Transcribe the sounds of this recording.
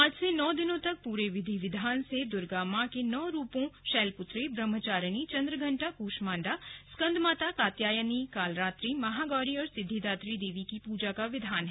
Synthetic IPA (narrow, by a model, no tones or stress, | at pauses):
aːd͡ʒsenɔːd̪ɪnõt̪ɐk̚puːɾeʋɪd̪ʱiʋɪd̪ʱaːnsed̪ʊɾɡaːmãkenɔːɾuːpõʃɛːlpʊt̪ɾebɾəmːət͡ʃaːɾənit͡ʃɐ̃nd̪ɾəɡʱɐ̃ɳʈakuːʃmaːɳɖaskə̃nd̪maːt̪akaːt̪jaːjənikaːlɾaːt̪ɾimɐɦaːɡɔːɾiɔːɾsɪd̪ʱːid̪aːt̪ɾid̪eːʋikipuːd͡ʒakaʋɪd̪ʱaːnɦ